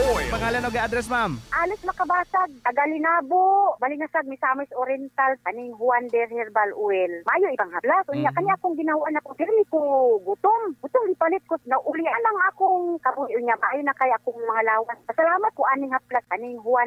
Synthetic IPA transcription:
opɐŋaːlɐnoɡaʔad̪ɾɛsmamʔaːlʊsnɐkɐbaːsaɡ̚t̪aɡalɪnaːboʔbalɪnasaɡ̚mɪsaːmasoɾjɛnt̪alkanɪŋɦʊand̪ɛɾhɛɾbalʔʊɛlmaʔaːjoʔɪbaŋɦablasʔʊɲaʔkaniʔɐkoŋɡɪnahuʔanɐkopɪɾmɪkoɡʊt̪omɡʊt̪oŋɡɪpalɪt̪̚konaʔʊlɪʔanɐŋakoŋkabuʔʊɲamaʔaːjonakajʔakoŋmɐŋalaːwaskɐsɐlaːmat̪̚kʊʔaːnɪŋhaplaskanɪŋɦʊan

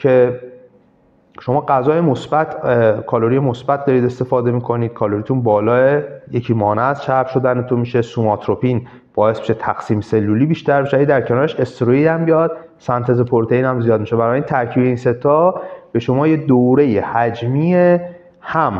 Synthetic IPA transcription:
cʰe̞ | ʃo̞mɒːɢæzɒːjemosbæt̪ʰkʰɒːlo̞ɾijemo̞sbæt̪̚d̪ɒːɾiːd̪e̞st̪e̞fɒːd̪e̞miːkʰo̞niːd̪̥̚kʰɒlo̞ɾiːt̪ʰunbɒːlɒːejecʰimɒːnæzt͡ʃʰæɾpʃo̞d̪ænet̪ʰunmiːʃesumɒt̪ʰɾo̞pin | b̥ɒːje̞smi̥ʃe̞t̪ʰæxsiːmse̞lːuːliːbiːʃt̪æɾbe̞ʃeælid̪æɾcʰe̞nɒːɾeʃe̞st̪oɾoiːd̪æmbijɒd̪̥̚ | sænt̪ʰezepʰoɾot̪ʰe̞jiːnæmzijɒːd̪̚miʃe̞bænɒbæɾiːnt̪ʰæɾcʰiːbe̞iːnse̞t̪ʰɒːb̥e̞ʃo̞mɒːjed̪owɾe̞jehæd͡ʒmiːe | hæm

